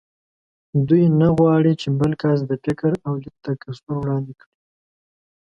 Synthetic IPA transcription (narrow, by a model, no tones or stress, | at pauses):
d̪ujnaɣwɑɽit͡ʃebəlkas̬d̪əfɪkɾawd̪ət̪akasuɾwɽɑnd̪ɪkɽi